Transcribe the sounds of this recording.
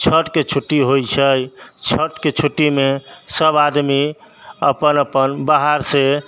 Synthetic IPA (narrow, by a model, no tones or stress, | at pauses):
t͡ʃʰəʈket͡ʃʰuʈːiɦojt͡ʃʰəjt͡ʃʰəʈket͡ʃʰuʈːimesəbad̪miə̰pənəpənbaɦaɾse